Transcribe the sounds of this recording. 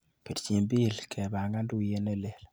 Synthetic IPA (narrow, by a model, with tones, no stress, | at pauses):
pe˨dt͡ʃi˨mbi˦˨lkʰɛ˨ba˨ŋɡa˦ndu˦je˦nɛ˦le˦˨l